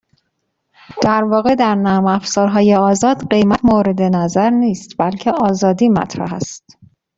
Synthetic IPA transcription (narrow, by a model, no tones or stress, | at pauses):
d̪̥æɾvɒːɣe̞d̪æɾnæːmæfsɒːɾɦɒːje̞ɒːzɒːd̪ɢe̞jmæt̪moɾe̞d̪enæzæɾniːst̪bælcʰe̞ʔɒːzɒːd̪iːmæ̰t̪ʰɾæ̰ɦæ̰st̪